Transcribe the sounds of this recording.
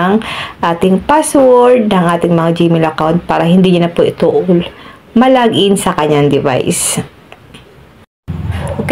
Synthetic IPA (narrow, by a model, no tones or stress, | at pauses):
ŋʔaːt̪ɪŋpaːswɔɹd̪̚nɐŋʔaːt̪ɪŋmɐŋad͡ʒimɪlʔɐkawnt̪̚paːɾɐhɪnd̪iːɲʊnɐpoʔɪt̪uːʔol | mɐlaːɡʔɪnsɐkɐɲːaŋd̪ɪva̰js | ʔok